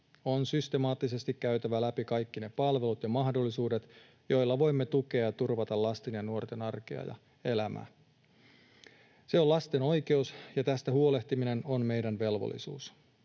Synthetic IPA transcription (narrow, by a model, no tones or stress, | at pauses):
o̞nsyst̪e̞mɑːt̪ːise̞st̪ikkæyt̪æʋælæpikɑjkːine̞pɑlʋe̞lut̪jɑmɑhdo̞lːisuːde̞t̪ | jo̞jlːɑʋo̞jmːe̞t̪uke̞ɑjɑt̪urʋɑt̪ɑllɑst̪enjɑnuo̞rt̪e̞nɑrkḛɑ̰jɑ̰ | e̞læmʔæ̰ | se̞o̞lɑst̪e̞no̞jke̞usjɑt̪æst̪æɦhuo̞le̞ht̪imine̞no̞nme̞jdænʋe̞lʋo̰lːḭsṵːs